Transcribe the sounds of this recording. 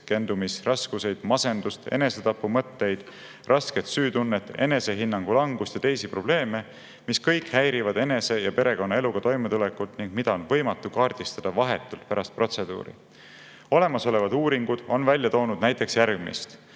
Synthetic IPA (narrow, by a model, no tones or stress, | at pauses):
ke̞nd̪umisrɑskuse̞jd̪̥mɑse̞nd̪̥ust̪e̞̰ne̞se̞t̪ɑpːumɤt̪ːe̞jd̪̥ | rʔɑske̞t̪syːt̪unːet̪ːe̞̰ne̞se̞ɦinːɑŋɡ̥ulɑŋɡust̪jɑt̪e̞jsipro̞b̥le̞ːme̞ | miskɤjkhæjɾivɑd̪e̞ne̞se̞jɑpe̞ɾe̞ko̞nːɑe̞luɡ̥ɑt̪o̞jmet̪ulekːult̪niŋɡ̥mid̪̥ɑo̞nvɤ̞jmɑt̪ːˑukɑːrd̪̥ist̪ɑd̪̥ɑvɑɦe̞t̪ːˑult̪̚pæɾɑst̪̚pro̞t̪se̞d̪̥ṵːɾḭ | o̞le̞mɑso̞le̞vɑd̪uːɾiŋɡ̥ud̪̥o̞nvælʲjɑt̪o̞ːnud̪̥næjt̪ːˑe̞ksjærɡ̥mḭst̪